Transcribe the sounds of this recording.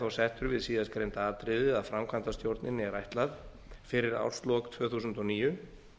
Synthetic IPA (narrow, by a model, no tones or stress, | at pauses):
θawsɛht̪ʏɾvɪðsiːðaskɾejnt̪aaːt̪ɾɪðɪaðfɾamkʰvant̪ast̪jowɾt̪nɪnːɪɛɾajht̪lað | fɪɾɪɾa̰wɾ̥st̪lɔkt̪ʰvœːθuːsʏnt̪ɔniːjʏ